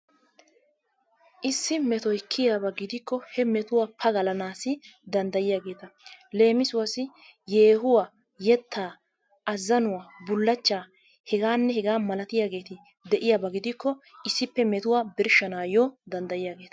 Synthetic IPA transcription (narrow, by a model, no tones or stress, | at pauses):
ʔɪsːɪmɛt̪ɔɪkʰːɪjaːbɐɡɪd̪ɪkːɔhɛmɛt̪ʊwaːpʰɐɡɐlɐnaːsɪd̪ɐnd̪ɐjɪjaːɡe̞ːt̪ɐle̞ːmɪsʊwɐsɪ | je̞ːɦʊwa | jɛt̪ʰːaː | ʔɐzːɐnʊwaːbʊlːɐt͡ʃːaː | hɛɡaːnːɛhɛɡaːmɐlɐt̪ɪjaːɡe̞ːt̪ɪ | d̪ɛʔɪjaːbɐɡɪd̪ɪkːɔʔɪsːɪpːɛmɛt̪ʊwaːbɪɾʃɐnaːjɔːd̪ɐnd̪ɐjɪjaːɡe̞ːt̪ɐ̥